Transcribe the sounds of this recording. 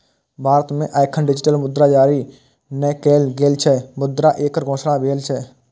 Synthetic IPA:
bʱaːɾət̪mẽʔaːɪkʰənɖɪd͡ʒʈəlmʊd̪ɾad͡ʒaːɾi | nɛkeːlɡeːlt͡ʃʰɛmʊd̪ɾaʔeːkəɾɡʱõːsɽãbʱeːlt͡ʃʰɛ

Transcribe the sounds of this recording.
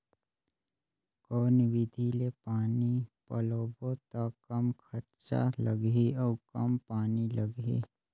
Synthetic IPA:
kɔːnʋɪd̪ʱilepaːnipɐloːbot̪akɐmkʰɐɾt͡ʃa̰ləɡiɔːkɐmpaːniləɡḭ

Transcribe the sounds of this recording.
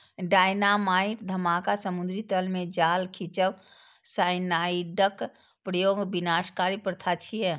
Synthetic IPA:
ɖaːjnamaːiʈd̪ʱəmaːkasəmund̪ɾit̪əlmẽd͡ʒaːlkʰit͡ʃəʋ | saːɪnaːiɖək | pɾəjoːɡbinaːskaɾipɾət̪ʰat͡ʃʰijɛ

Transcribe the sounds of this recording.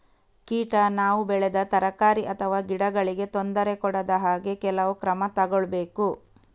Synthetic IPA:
kiːʈɐnaːʋubɛɭed̪ɐt̪ɐɾɐkaːɾiʔɐt̪ʰɐʋaːɡiɽɐɡɐɭiɡe̞t̪ond̪ɐɾe̞kɔɽɐd̪ɐɦaːɡe̞kɛlɐʋukɾɐmɐt̪ɐɡoɭbe̞ːku

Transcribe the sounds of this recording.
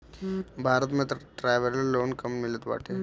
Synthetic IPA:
bʱaɾət̪met̪ɾʈɾajʋeɾlaloːnkəmmilət̪ʋa̰ʈʰe

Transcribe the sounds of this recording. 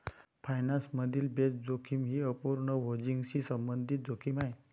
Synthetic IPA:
fajnansməd̪ʱiːlbesd͡zokʰiːmɦiːəpuɾnəɦod͡ʑiŋɡɕiːsəmbənd̪ʱit̪̚d͡zokʰiːmaɦe

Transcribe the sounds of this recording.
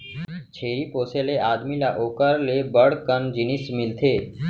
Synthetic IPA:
t͡ʃʰeːɾiːpoːseleaːd̪milaʔoːkəɾlebəɽkənd͡ʒɪnismɪlt̪ʰeː

